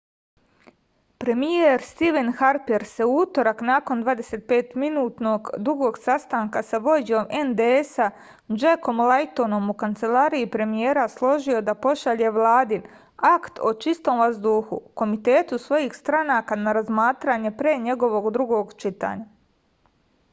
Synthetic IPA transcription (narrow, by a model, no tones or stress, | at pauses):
pɾe̞mijeɾst̪iʋenxaɾpiɾse̞uut̪o̞ɾaknaːko̞nd̪ʋaːd̪eseːt̪̚pe̞ːt̪minuːt̪no̞ɡd̪ɾuɡo̞ːɡsast̪aːŋkasaʋo̞d͡ʒo̞mend̪eesa | d͡ʒeko̞mlˠajt̪ono̞mukant̪se̞laːɾiipɾe̞mije̞ːɾaslˠo̞ʒio̞d̪apo̞ʃaʎe̞ʋlˠaːd̪in | akt̪o̞t͡ʃist̪o̞ːmʋazd̪uːxṵko̞mit̪e̞ːt̪usʋo̞jixst̪ɾanaːkanaɾazmaːt̪ɾaɲe̞pɾeːɲe̞ɡo̞ʋo̞ɡd̪ɾuɡo̞ɡt͡ʃit̪a̰ːɲa